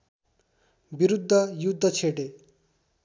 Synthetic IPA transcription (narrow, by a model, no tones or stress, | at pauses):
biɾud̪ʱːʌjud̪ʱːʌt͡sʰeʈe